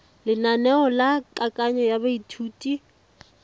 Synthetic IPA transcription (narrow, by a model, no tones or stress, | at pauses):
lɪnanɛɔlakʼakʼaɲɔjabaitʰuːtʼi